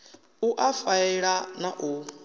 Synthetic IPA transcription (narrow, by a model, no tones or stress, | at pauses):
uʔafaiɺanaʔu